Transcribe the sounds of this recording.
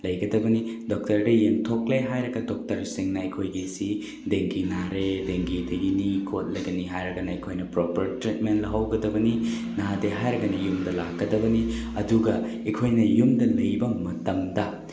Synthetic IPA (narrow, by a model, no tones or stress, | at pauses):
lɐjɡɐdɐbɐnidɔk̚tɐɾdɐjeŋtʰok̚leɦajɾɐɡɐdok̚tɐɾsiŋnɐikʰojɡisi | deŋɡinaɾedeŋɡidɐɡinikʰot̚lɐjɡɐniɦajɾɐɡɐnɐekʰojnɐpɾopɐɾtɾit̚menlɐɦɐwɡɐdɐbɐni | nadeɦajɾɐɡɐnɐjumdɐlakːɐdɐbɐni | ɐduɡɐ | ekʰojnɐjumdɐlɐjbɐmɐtɐmdɐ